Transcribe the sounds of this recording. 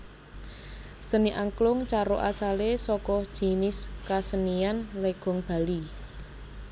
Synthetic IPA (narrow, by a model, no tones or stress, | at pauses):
səniʔaŋklʊŋt͡ʃaɾoʔasalesɔkɔd̥ʒ̥i̤nɪskasənianleɡ̥ɔ̤ŋb̥a̤li